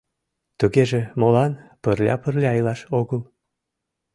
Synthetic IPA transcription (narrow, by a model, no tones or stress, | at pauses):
t̪uɣeʒemolɑnpərlʲɑ̰pərlʲɑːjlɑʃoɣəl